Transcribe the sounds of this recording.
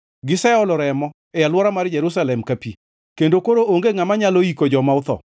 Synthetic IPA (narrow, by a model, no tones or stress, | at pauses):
ɡɪsɛʊlɔɾɛmɔ | ɛjalwɔɾamard͡ʒɛɾusalɛmkapi | kendokoɾoʔoŋɡeŋamaɲaloikod͡ʒɔmaʊt̪ɔ̰